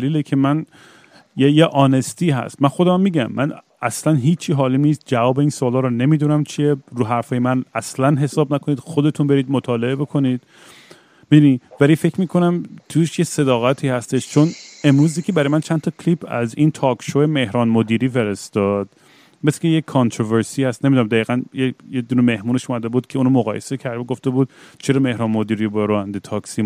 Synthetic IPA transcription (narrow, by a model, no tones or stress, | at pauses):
liːlekʰe̞mæn | jejeʔɒːnest̪iːɦæ̰st̪mænxo̞d̪æmæmːiːɟæmːæn | æslænɦiːt͡ʃʰːiɦɒːliːniːst̪̚d͡ʒævɒːbeiːnsoːlɒːɾɔne̞miːd̪unæmt͡ʃʰieɾuːɦæɾfɒːjemænæslænɦe̞sɒːbnækʰoniːd̪xod̪e̞t̪ʰunbe̞ɾiːd̪mot̪ʰɒːle̞ebe̞kʰo̞niːd̪̥̚ | mid̪univælifecʰmiːkʰo̞næmt̪ʰuʃjese̞d̪ɒːɣæt̪ʰiːhæst̪eʃt͡ʃʰone̞mɾuːzjekʰebæɾɒjemænt͡ʃʰænt̪ʰɒkʰlipʰæzint̪ʰɒːkʰʃoeme̞hɾɒːnmod̪iːɾiːfe̞ɾest̪ɒːd̪̥̚ | mescejekʰːɒnt̪ʰɾoveɾsiːhæst̪ne̞mid̪unæmd̪æiːɣænjejed̪uːnemehmuːneʃuːmæd̪ebuːd̪̥̚cʰeuːnomoɣɒːjesecʰæɾd̪eɡoft̪e̞buːd̪̚t͡ʃʰe̞ɾɒːme̞hɾɒːnmod̪iːɾiːbɾoːænd̪et̪ʰɒːksi